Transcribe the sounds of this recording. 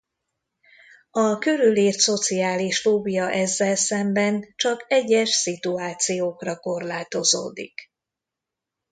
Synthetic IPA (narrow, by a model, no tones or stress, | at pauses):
ɒkøɾyliːrt̪so̞t̪siaːliʃloːbijɒʔɛzːɛlsɛmbɛnt͡ʃɒkɛɟːɛʃsit̪uaːt̪sijoːkrɒko̞rlaːt̪o̞zo̰ːd̪ḭk